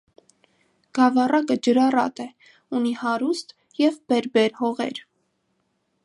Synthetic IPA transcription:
ɡ̥ɑvɑrɑkəd͡ʒəɾɑrɑ̰t̪ɛ | unihɑɾust̪ | jɛvbɛɾbɛɾhɔʁɛ̰ɾ

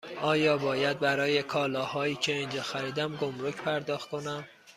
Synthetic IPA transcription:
ʔɒːjɒːbɒːjæd̪̚bæɾɒːjekʰɒːlɒːhɒːiːcʰeind͡ʒɒːxæɾiːd̪æmɡomɾocʰpʰæɾd̪ɒːxt̪kʰo̞næm

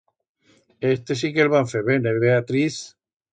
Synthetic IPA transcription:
est̪es̬ikelβaɱfeβeneβeat̪ɾiθ

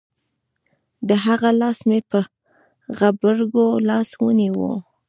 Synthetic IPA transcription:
d̪əɦaɣalɑsmepə | ɣabəɾɡolɑswəniwṵ

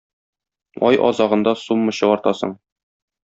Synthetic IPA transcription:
ɒjʔɒ̰zɑʁɤ̆nd̪ɑsumːɤ̆ɕɤ̆ɒɾt̪ɑsɤɴ

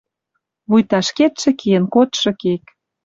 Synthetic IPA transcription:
βujt̪ɑʃket̪ʃĕkijə̆nkot̪ʃɤ̆kek

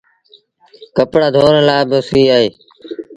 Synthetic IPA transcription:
kəpɽaːd̪ʱoːnlaːbɪsiːaːɦeː

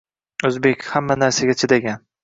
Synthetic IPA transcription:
ɵzbe̞kʲhamːanaɾsaɡʲat͡ʃʰɪd̪aɡʲan

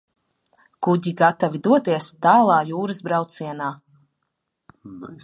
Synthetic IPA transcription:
kuɟiɡat̪avid̪uɔt̪iɛst̪aːlˠaːjuːɾɨzbɾawt̪siɛnaː

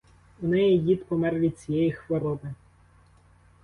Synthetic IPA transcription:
ʊnɛjid̪ʲit̪pɔmɛrʋʲid̪̚ʲt͡sʲijɛjixʋɔɾɔbɪ

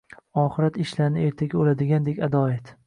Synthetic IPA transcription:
ɒːχɪɾat̪ɪʃlaɾnɪeɾt̪ʰaɡʲaolad̪ɪɡʲand̪ekʲad̪ɒat̪

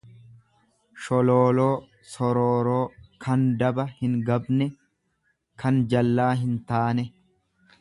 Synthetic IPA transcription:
ʃɔloːlo̞ː | sɔɾoːɾoːkʰɐnd̪ɐbɐhɪŋɡɐbnɛ | kʰɐnd͡ʒɐlːaːɦɪnt̪aːnɛ

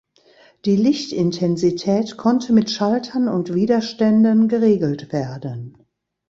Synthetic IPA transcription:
d̥iːlɪçtɪntʰɛnzitʰɛːtkʰɔntʰəmɪtʃaltʰɐnʊntv̥iːdɐʃtɛndənɡəʁeːɡl̩tv̥eːɐdən

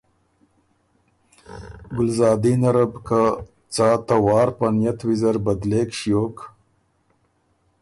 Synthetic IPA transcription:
ɡʊlzɑːd̪inaɾabka | t͡sɑːt̪awɑːɾpanjat̪wizaɾbad̪leːkʃjoːk

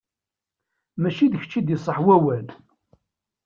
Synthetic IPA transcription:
mæʃiðəçə̥t͡ʃːid̪jəsˤəħwæwæl

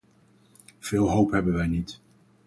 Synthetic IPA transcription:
v̥ɪːlˠɦowpɦɛbənʋɛjnit

